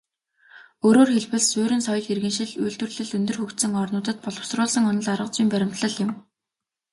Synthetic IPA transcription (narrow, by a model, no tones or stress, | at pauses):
oːɾoːrxeɮwɘ̆ɮsʊːɾɘ̆nsɔjɞ̆ɮxerɣɘ̆nʃɪ̆ɮujɮt̪wɘ̆rɮɘ̆ɮɵnt̪ɵ̆rxɵkt̪sɘ̆ŋɔrnʊːt̪ə̆t̪̚pɔɮɞ̆w̥srʊːɮsə̆ŋʊnə̆ɮaɾə̆q̚t͡siːmpæɾʲɪ̆m̥t̪ɮə̆ɮjɪ̆m